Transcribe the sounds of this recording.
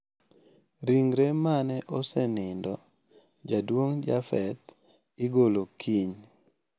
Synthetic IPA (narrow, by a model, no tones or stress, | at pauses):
ɾiŋɾemanɛʔɔsɛnɪndɔ | d͡ʒadwoŋd͡ʒafɛt̪ | ɪɡolokʰiɲ